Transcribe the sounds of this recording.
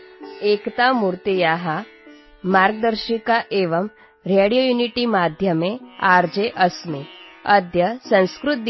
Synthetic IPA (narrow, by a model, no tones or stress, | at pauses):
ekt̪amuɾt̪ijaɦa | maɾɡ̚d̪əɾɕikaʔeʋəm | ɾeɽijojuniʈimad̪ʱjəmeaɾd͡ʑeʔəsmeəd̪ʱjəsə̃w̃skɾut̪̚